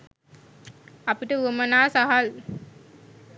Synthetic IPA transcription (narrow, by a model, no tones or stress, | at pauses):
ɐpiʈəuəmɐnaːsaɦal